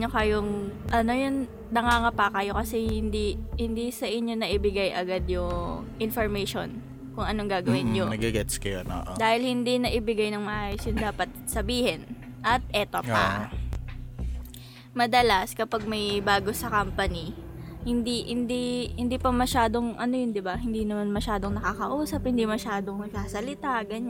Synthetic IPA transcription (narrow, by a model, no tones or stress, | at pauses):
okɐjoŋʔɐno̞jon | nɐŋaːŋɐpakɐjo̞kɐsɛhɪnd̪ihɪnd̪isɐʔɪɲɲːo̞nɐʔɪbɪɡajʔɐɡad̪jʊŋ | ʔɪnfoɹmɛjʃo̰n | kʊŋʔɐnoŋɡaːɡɐwɪnɲonɐɡɐɡɛt̪skɐjono̰ʔd̪aːhɪlhɪnd̪inɐʔɪbɪɡajnɐŋmɐʔaːjosjʊŋd̪aːpɐt̪̚sɐbiːhɛn | ʔɐt̪̚ʔɛːt̪opa̰ | mɐd̪ɐlaskɐpaɡ̚mɐjbaːɡo̞sɐkampɐni | hɪnd̪ihɪnd̪ihɪnd̪iːpɐmɐʃaːd̪o̞ŋʔɐnojʊnd̪ɪbahɪnd̪iːnɐmanmɐʃaːd̪o̞ŋnɐkakɐʔuːsɐp̚hɪnd̪imɐʃaːd̪oŋnɐɡsaːsɐlɪt̪aɡɐɲ